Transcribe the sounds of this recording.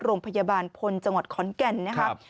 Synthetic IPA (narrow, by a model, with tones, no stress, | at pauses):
ɾoː˧ŋpʰa˧ja˧baː˧npʰo˧nt͡ɕa˧ŋwa˨˩t̪̚kʰɔ˨˦nkɛ˧nːa˦˥kʰa˦˥